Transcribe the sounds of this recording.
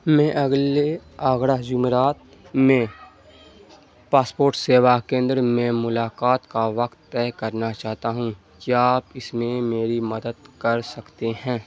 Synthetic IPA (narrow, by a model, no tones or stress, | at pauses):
mɛ̃ːʔɐɡleaːɡɽaɦd͡ʒʊmeɾaːt̪ | mẽ | paːspoːɾʈseːʋakẽːnd̪ɾmẽmʊlaːkaːt̪kaʋɐkt̪ːɛːkɐɾnat͡ʃaːɦt̪aɦũ | kiaːpɪsmẽmeːɾimɐd̪əd̪kɐɾsɐkt̪eɦɛ̃ː